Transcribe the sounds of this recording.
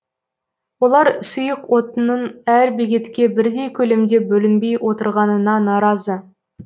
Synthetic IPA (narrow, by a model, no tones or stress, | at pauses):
wo̞lˠɑɾsʊjəqwo̞t̪ənənæɾbeɡʲe̞t̪kʲe̞bɪɾd̪e̞jkʲʰɵle̞md̪e̞bɵlɪnbe̞jwʔo̞t̪əɾʁɑnənɑnɑɾɑzə